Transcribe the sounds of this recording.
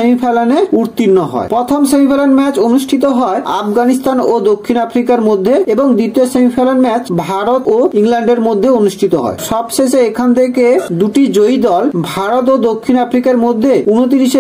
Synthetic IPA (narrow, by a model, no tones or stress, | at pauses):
emipʰelaneuɾt̪inːɔɦɔ̰epɾɔt̪ʰomʃemipʰelanmɛt͡ɕonuʃʈʰit̪oɦɔea̰fɡanist̪anod̪okʰːinafɾikaɾmod̪ʱːeeboŋd̪ɾit̪iosemipʰelanmɛt͡ɕbʱaɾot̪oiŋlɛɳɖeɾmod̪ʱːeonuʃʈʰit̪oɦɔ̰eʃɔbʃeʃeekʰant̪ʰeked̪uʈid͡ʑojd̪ɔlbʱaɾot̪od̪okʰːinafɾikaɾmod̪ʱːeunot̪̬iɾiʃe